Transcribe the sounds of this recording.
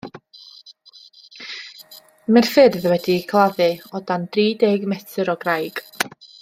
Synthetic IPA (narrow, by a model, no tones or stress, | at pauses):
mɛrfɨdəðəwɛdikʰlˠaðɨɔdand̥riːdeːɡmɛtʰɨɾɔɡrajɡ̥